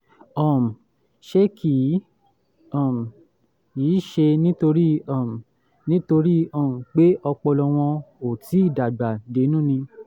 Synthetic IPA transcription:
ɔ˨m̩˨ | ʃe˦kʰi˨˦ | ɔ˦˨m̩˨ | jiː˨˦˨ʃe˧nĩ˦to˧ɾi˦ɔ˦˨m˨ | nĩ˦to˧ɾi˦ɔ˦˨m̩˨k͡pe˦ʔɔ˧k͡pɔ˧lɔ˧w̃ɔ̃˧o˨ti˨˦i˦˨da˨ɡ͡ba˨de˨˦nũ˦˨nĩ˧

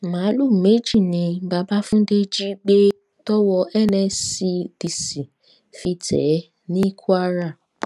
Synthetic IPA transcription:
mã˨˦lu˦˨me˦d͡ʒi˦˨nĩ˧ba˧ba˦fũ˦de˦d͡ʒi˦ɡ͡be˦ | tɔ˦wɔ˧ʔɛ˦˨nɛ̃˧si˧d̥i˨si˨ | fi˧tʰɛ̰˨˦ | nĩ˦kʰu˦a˦ɾa˦˨

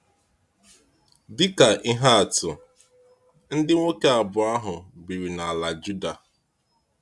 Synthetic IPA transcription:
dɪ˦ka˨ʔɪ˦ɦa˦a˨tʊ̰˨ | n̩˦dɪ˦ŋʷo˦ke˦a˨bʊ˨a˦ɦʊ˨bi˨ɾi˨na˨a˨la˨d͡ʒu˦da˨

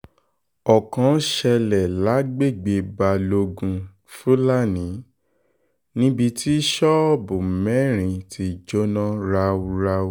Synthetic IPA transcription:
ɔ˨kã˨˧˦ʃɛ˧lɛ˨la˨˦ɡ͡be˦˨ɡ͡be˧ba˧lo˧ɡũ˧ | fu˦la˦˨nĩ˨˦ | nĩ˦bi˧ti˦ʃɔ˦˨bũ˨mɛ̃˨˦ɾ̃ĩ˧tʰi˧˦˨d͡ʒo˦nã˦ɾa˧u˧ɾa˧˦

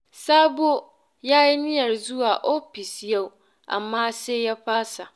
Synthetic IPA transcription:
saː˦bu˦o˦ | ja˦jɪ˦nɪ̃˦ɛ˨ɾzu˦a˨ʔo˦pi˨sjɛ˦w | a̰˨mːãː˦sɛ˦jɛ˦ɸʰaː˦sa˨

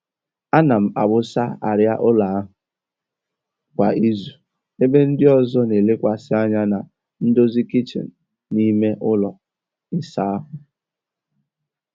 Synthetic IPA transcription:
a˦na˨m̩˨a˨bʊ˦sa˦a̰˨ɾja˦ʔʊ˦la˨a˦ɦʊ˨ | kʷa˨ʔi˦zu˨ | e˦be˦n̩˦dɪ˦ɔ˦zɔ˦ne˨le˦kʷa˨sɪ˦a˦ɲa˦na˨ | n̩˦do˦zi˦ki˦t͡ʃḛ˨n̩˨ | ni˦me˦ʔʊ˦lɔ˨ | ɪ˦sa˦a˦ɦʊ˨

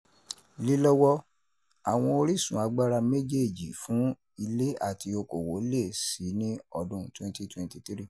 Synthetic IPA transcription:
li˦lɔ˦wɔ˦ | a˨w̃ɔ̃˧o˧ɾi˦sũ˨a˨˧ɡ͡ba˦ɾa˧me˦d͡ʒe˦˨d͡ʒi˨fũ˨˦ | i˧le˦a̰˦˨ti˧o˧ko˨wo˨˦le˦˨si˨˦nĩ˦ɔ˧dũ˦˨twɛ̃˦n˦ti˦twɛ̃˧n˦ti˧tɾi˦˨

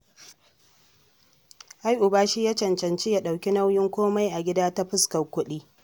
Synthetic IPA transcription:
ʔa˦jʔʊ˨baː˦ʃiː˦ja˦t͡ʃɐ˨nt͡ʃɐ˨nt͡ʃi˦ja˦ɗa˨wkʲi˦na˦wjɪ˦ŋkʷoː˦ma˦jʔa˨ɡʲɪ˦daː˦ta˦ɸɪ˦skɐ˨kʷʊ˦ɗiː˦

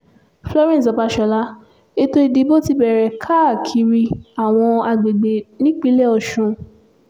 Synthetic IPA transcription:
flɔ˦ɾɛ̃˦˨s̬ɔ˨˧ba˧ʃɛ˨la˦ | e˦to˧i˧de˨˧bo˦ti˦bɛ˨ɾɛ˨kʰa˦˨kʰi˧˦ɾi˧a˨w̃ɔ̃˧a˧ɡ͡be˨ɡ͡be˨nĩ˦k͡pi˦lɛ˦ɔ˧˨ʃũ˧

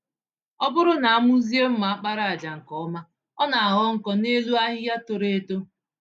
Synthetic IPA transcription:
ɔ˦bʊ˦ɾʊ˦na˨a˦mʊ˦zi˦e˦m̩˦ma˨a˦k͡pa˦ɾa˨a˨d͡ʒa˨ŋ̩˨kɔ˨ɔ˦ma˦ | ɔ˦na˨a˨ɣɔ˦ŋ̩˦˨kɔ˦ne˦lu˦a˦ɦɪ˦ja˦to˨ɾe˨˦to˦

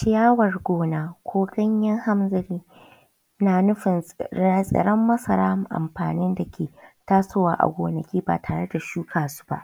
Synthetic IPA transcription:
ʃɪ˦jaː˦wɐ˨rɡʷoː˦naː˨kʷʰoː˦ɡɐ˦ɲjɐ˦ŋha˦mzɪ˨ɾiː˦ | naː˨nʊ˦ɸɪ˨na˦sʼɐ̰˨ɽɐ˦mːɐ˦sɐ˨ɾaː˦˨ʔa̰˨mɸa̰ː˨nɪ˦nda˨kʲʰeː˨taː˦soː˦waː˦ʔa̰˨ɡʷoː˨nɐ˨kʲiː˦ba̰˨tʰaː˨ɽe˦da˨ʃuː˦kʰaː˨su̥˦ba̰˦ʔ

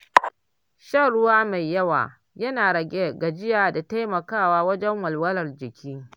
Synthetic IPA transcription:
ʃa˦˨ɽʊ˦waː˦ma˨jːɐ˦wa̰ː˨ | jɐ˦naː˨ɽɐ˨ɡʲe˦ɡa˨d͡ʒɪ˦jaː˨da˨ta˦jmɐ˨kaː˦˨waː˦wɐ˦d͡ʒɛ˦ŋwɐ˨lwɐ˦lɐ˨rd͡ʒɪ˨kʲʰiː˦

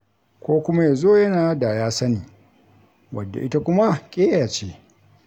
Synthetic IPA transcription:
kʷoː˦kʷʊ˦ma˦ja˨zoː˦˨jɐ˦naː˨˦da˨jaː˦sɐ˦niː˨ | wɐ˨dːa̰˨ʔɪ˦ta˦kʷʊ˦ma˦kʲʼeː˦jaː˨t͡ʃe˦

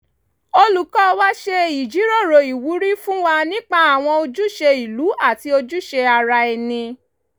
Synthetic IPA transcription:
o˧lu˨kɔ˦˧wa˦ʃe˧i˨d͡ʒi˨˦ɾo˦˨ɾo˨i˨wu˨˦ɾi˦fũ˦wa˧nĩ˦k͡pa˦a˨w̃ɔ̃˧o˧d͡ʒu˦ʃe˧i˨lu˨˦a˦˨ti˧o˧d͡ʒu˦ʃe˧a˧ɾa˧ɛ˧nĩ˧

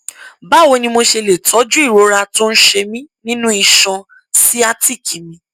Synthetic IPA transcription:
ba˦˨wo˧nĩ˧mo˧ʃe˧le˨tɔ˨˦d͡ʒu˦i˦˨ɾo˨˦ɾa˧to˦n̩˦ʃe˧mĩ˦nĩ˦nũ˦i˧ʃã˧ | si˦a˦ti˦˨kʰi˨˦mĩ˧

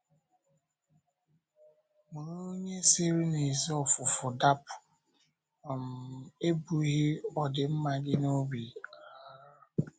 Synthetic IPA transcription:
mʊ˨ɾo˦o˦ɲe˦se˦ɾi˦ne˨zi˦ɔ˦fʊ˨fʊ˨da˦pʊ̥˨ | ɔ˨m̩˨e˦bu˨˦ɣɪ˦ɔ˨dɪ˨m̩˦ma˦dɪ˦no˦ɡ͡bi˨a˦˨

